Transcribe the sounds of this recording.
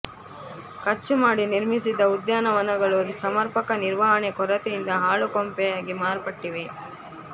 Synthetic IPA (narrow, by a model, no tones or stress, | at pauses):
kɐɾt͡ʃumaːɽiniɾmisid̪ɐud̪jaːnɐʋɐnɐɡɐɭusɐmɐɾpɐkɐniɾʋaɦɐɳekɔɾɐt̪ɛjind̪ɐɦaːɭukompɛjaːɡimaːɾpɐʈːiʋe